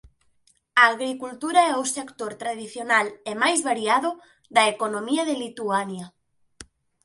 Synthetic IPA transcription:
ɐːɣɾikult̪uɾaɛusekt̪oɾt̪ɾaðiθjonalɛmajzβaɾiaðʊ | ðɐekonomiɐðelit̪uanjɐ

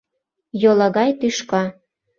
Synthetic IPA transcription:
jolˠɤɣɑjt̪yʃkɑ

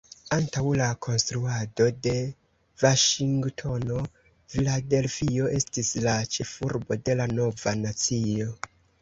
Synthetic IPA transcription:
antawlakʰo̞nstɾuado̞de̞ | vaʃiŋɡtʰo̞no̞ | vilade̞lfio̞ʔe̞stislat͡ʃe̞fuɾbo̞de̞lano̞vanat͡sio̞

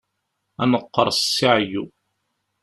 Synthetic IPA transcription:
ænəqːə̰ɾˤsːiʕju

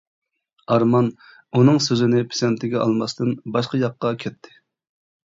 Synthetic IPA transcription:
ɑɾmɑn | unɨŋsøzɪnɪpʰe̥sɛnt̪ʰɪɡʲɛʔɑlˠmɑst̪ɨnbɑʃqɑjɑqːɑkʲʰɛt̪ʰːɪ̥

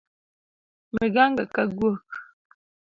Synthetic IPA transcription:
meɡaŋɡakaɡwok̚

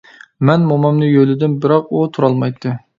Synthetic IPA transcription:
mɛnmomɑmnɨjølɪd̪ɪnbɪɾɑqut̪ʰuɾɑlˠmɑjt̪ʰːɨ

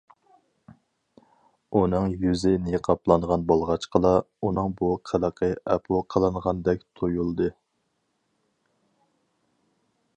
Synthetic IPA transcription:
unɨŋjyzɪneqʰɑplˠɑnʁɑnbolˠʁɑt͡ʃqʰəlˠɑ | unɨŋbuqʰəlˠəqʰəɛpʰulˠqʰəlˠɨnʁɑnd̪ɛk̚ʲt̪ʰojulˠd̪ɨ

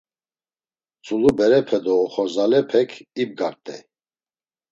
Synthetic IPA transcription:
t͡sʼulubɛɾɛpʰɛd̪ɔːχɔzalɛpʰɛkʰib̚ɡaɾt̪ʼɛ̰

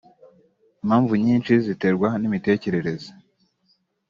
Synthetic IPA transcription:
imhaːɱvuɲiːnt͡ʃizite̞ɾɡwanimite̞ːce̞ɾe̞ɾe̞zo

